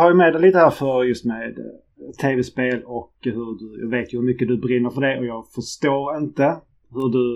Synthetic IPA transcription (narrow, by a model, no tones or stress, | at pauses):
hɑɾjəmeːd̪ɛɪliːt̪əhæːɾfœɾjɵst̪meːd̪ | t̪ʰːeːvɛspeːlɔkhɵɖɵjɑ̰ːɡveːt̪jɵhɵɾmʏkːəd̪ɵbɾɪnːəɾfœəɖɛɔjɑːɡfœʂt̪oːɾɪnt̪ə | hɵɖɵ